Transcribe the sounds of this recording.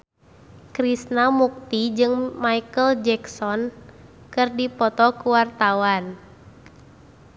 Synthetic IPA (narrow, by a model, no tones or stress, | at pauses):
kɾisnamuk̚t̪id͡ʒɨŋmajkəld͡ʒɛksɔn | kɨrdipɔt̪ɔkuwart̪awan